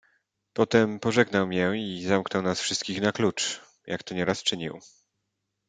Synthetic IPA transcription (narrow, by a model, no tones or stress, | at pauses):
pɔt̪ɛmpɔʐɛɡnawmʲjɛizamknɔwnasfʂɘst̪̚kʲixnaklut͡ʂ | jʔakt̪ɔɲɛɾast͡ʂɘɲḭw